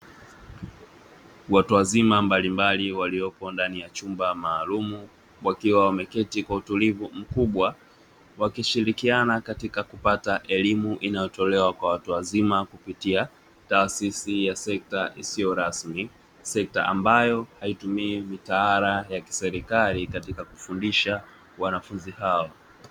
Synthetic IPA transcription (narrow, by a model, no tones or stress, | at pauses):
watuwazimambalimbaliwaliɔpɔndanijat͡ʃumbamaːlumu | wakiwawamɛkɛtikwautulivum̩kuɓwa | wakiʃiɾikianakatikakupataʔɛlimuʔinajɔtɔlɛwakwawatuwazimakupitia | taːsisijasɛk̚taʔisijɔɾasmi | sɛk̚ta̰ʔa̰mbajɔhaitumiːmitaaɾajaki̥sɛɾikalikatikakufundiʃa | wanafunzihaɔ